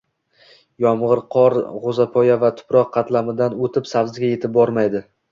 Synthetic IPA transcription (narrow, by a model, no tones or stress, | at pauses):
jɒmʁɨɾqʰɒɾʁozapʰɒjavat̪ʰʊ̥pɾɒqʰːɑt̪lamɪd̪anot̪ʰɪpsavzɪɡʲaje̞t̪ʰɪp̚bɒɾmajd̪ɪ